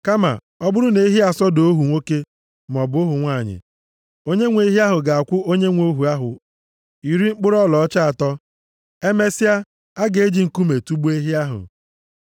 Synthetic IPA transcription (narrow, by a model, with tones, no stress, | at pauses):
ka˦ma̰˨ | ɔ˦bʊ˦ɾʊ˦ne˦i˦ɦi˦a˨sɔ˦do˨o˦ɦu˨ŋʷo˦ke˦ | m˨ɔ˨bʊ˨˦ʊ˦ɦʊ˨ŋʷaː˦˨ɲɪ̰˨ | o˦ɲe˦ŋʷe˦i˦ɦi˦a˦ɦʊ˨ɡa˨a˨kʷʊ˦o˦ɲe˦ŋʷo˦ɦu˨a˦ɦʊ̰˨ | i˨ɾi˦ŋ͡m̩˦k͡pʊ˦ɾɔ˦lɔ˨ɔ˦t͡ʃa˦a˨tɔ˦ | e˦me˦si˦a˦ | a˦ɡe˨e˦d͡ʒi˨ŋ̩˨ku˦me˨tu˦bu˦e˦ɦi˦a˦ɦʊ̰˨